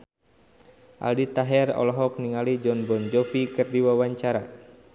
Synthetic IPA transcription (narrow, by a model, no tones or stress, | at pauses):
ʔa̰ldit̪aɦɛrɔ̰lɔɦɔk̚niŋalid͡ʒɔnbɔnd͡ʒɔfikɨrdiwawaɲt͡ʃaɾa